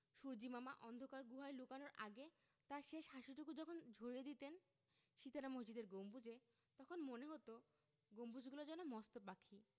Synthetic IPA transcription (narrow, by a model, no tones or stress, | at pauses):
ʃuɾd͡ʑimamaʔɔnd̪ʱokaɾɡuɦaelukanoɾʔaɡe | t̪aɾʃeʃɦaʃuʈukud͡ʑɔkʰond͡ʑʱoɾied̪it̪en | ʃit̪aɾamoɦd͡ʑid̪eɾɡombud͡ʑe | t̪ɔkʰonmoneɦot̪o | ɡompud͡ʑɡulod͡ʑɛnomɔst̪opakʰːi